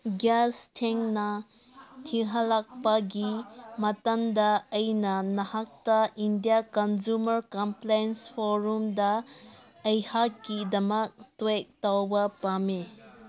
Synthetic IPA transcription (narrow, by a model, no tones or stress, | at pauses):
ɡastʰeŋnɐ | tʰiɦɐlak̚pɐɡimɐtɐndɐːjnɐnɐhak̚tɐindijakɐnzumɐɾkɐmplajnspʰoɾumdɐ | ɐjhakːidɐmɐk̚twek̚tawbɐpame